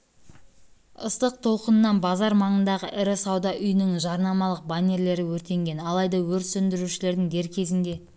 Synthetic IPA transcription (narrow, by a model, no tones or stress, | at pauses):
əst̪əq̚t̪ʰo̞lˠqənənːɑnbɑzɑɾmɑɴənd̪ɑʁəʔɪɾɪsɑwd̪ɑʔʏjnɪŋʒɑɾnɑmɑlˠəq̚banʲe̞ɾle̞ɾɪwɵɾt̪e̞ŋɡʲe̞nɑlˠɑjd̪ɑwɵɾsɵnd̪ɪɾuʃɪle̞ɾd̪ɪŋd̪e̞ɾkʲʰe̞zɪnd̪e̞